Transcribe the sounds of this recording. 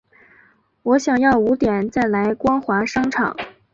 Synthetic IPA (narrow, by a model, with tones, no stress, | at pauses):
wɔ˧˥ɕjɑ˨˩ŋjɑ˥˩ʊu˧˥t̪jɛ˨˩nt͡sa˥˩ɪla˧˥ɪkwɑ˥ŋxwa˧˥ʂɑ˥ŋʈ͡ʂʰɑ̰˨˩˦ŋ